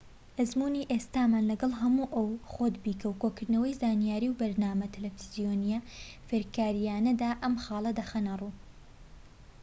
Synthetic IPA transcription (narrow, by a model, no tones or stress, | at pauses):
ʔɐzmuːniːʔeːst̪aːmaːnlɐɡɐlˠɦɐmuːʔɐwχod̪biːkʰɐwkoːkɨɾd̪nɐwɐjzaːnijaːɾiːwbɐɾnaːmɐt̪ʰɐlefizijonijɐ | feɾkaːɾijaːnɐd̪aːʔɐmxɑːlˠɐd̪ɐxɐnɐruː